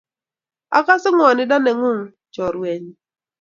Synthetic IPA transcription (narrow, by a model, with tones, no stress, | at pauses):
a̰˦ka˦sɪ˦ŋʷ˦ɔ˨nɪ˨da˦ne˨ŋʊ˦ŋ̩˨ | t͡ʃɔ˨ɾu˨e˨ɲi˦